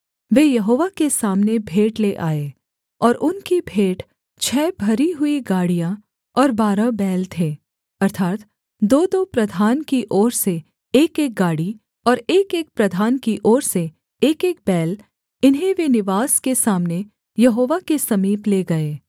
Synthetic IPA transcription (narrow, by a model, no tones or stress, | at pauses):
ʋejɐɦoːʋakesaːmnebʱeːʈleʔaːeː | ɔːɾʔʊnkibʱeːʈ | t͡ʃʰɛːbʱɐɾiɦʊiɡaːɽijã | ɔːɾbaːɾabɛːlt̪ʰeː | ɐɾt̪ʰaːt̪ | d̪oːd̪opɾɐd̪ʱaːnkiʔɔːɾse | eːkeːk̚ɡaːɽi | ɔːɾeːkeːk̚pɾɐd̪ʱaːnkiʔɔːɾseː | keːk̚bɛːl | ɪnɦẽʋenɪʋaːskesaːmne | jɐɦoːʋakesɐmiːpleɡɐeː